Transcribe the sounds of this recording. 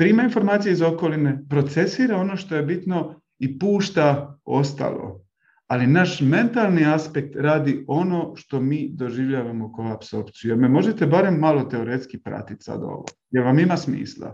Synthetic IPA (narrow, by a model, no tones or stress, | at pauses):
pɾiːmainfo̞ɾmaːt̪sijeizo̞ko̞line̞pɾo̞t̪se̞siːɾao̞no̞ʃt̪o̞je̞bit̪no̞ | ipuːʃt̪ao̞st̪a̰lˠo̰ | alinaːʃme̞nt̪alˠniaspe̞k̚t̪ɾaːd̪io̞no̞ʃt̪o̞miːd̪o̞ʒiʋʎaːʋamo̞kojaːpso̞ɾpt̪sijujeme̞mo̞ʒe̞t̪e̞baɾe̞mːalo̞t̪e̞o̞ɾe̞t̪skipɾa̰t̪it̪sa̰d̪o̞̰ʋo̰je̞ɾʋamimasmḭːslˠa̰